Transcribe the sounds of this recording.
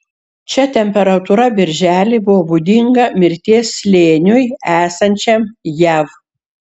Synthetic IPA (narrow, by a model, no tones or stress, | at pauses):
t͡ʃʲɛt̪ʲɛmʲpʲɛɾɐt̪uːɾɐbʲɪɾʲʒʲæːlʲɪbʊʋɔbʊd̪ʲɪŋɡɐmʲɪɾʲt̪ʲeːsʲlʲeːnʲʊjæːsɐnʲt͡ʃʲɛmjæʋ